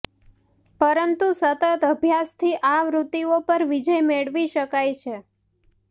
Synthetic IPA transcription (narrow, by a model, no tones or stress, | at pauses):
pəɾənt̪usət̪ət̪əbʱjast̪ʰiʔaʋɾut̪ːiopəɾʋid͡ʒəjmeɭʋiʃəkajt͡ʃʰe